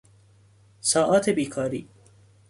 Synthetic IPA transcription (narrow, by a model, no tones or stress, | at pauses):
sɒːʔɒːt̪ʰebiːkʰɒːɾḭː